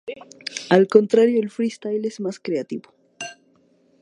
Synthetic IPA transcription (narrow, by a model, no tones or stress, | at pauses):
alko̞nt̪ɾaɾjoelfɾist̪ajlezmaskɾeat̪iβo